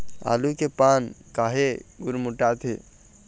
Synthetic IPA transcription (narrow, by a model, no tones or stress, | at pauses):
a̰ːlukepaːnkaːɦeɡʊɾmʊʈat̪ʰe